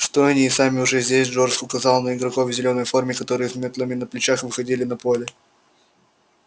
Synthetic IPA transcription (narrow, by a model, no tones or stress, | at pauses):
ɪst̪o̞nʲɪːsamʲɪʊʐɛzʲdʲesʲʐo̞rsʊkɐzɑlˠnəɪɡɾɐko̞vzʲɪlʲo̞nːəjfo̞rmʲɪkɐt̪o̞ɾɨjɪsʲmʲet̪lˠəmʲɪnəplʲɪt͡ɕaxvɨxɐdʲilʲɪnɐpo̞lʲɪ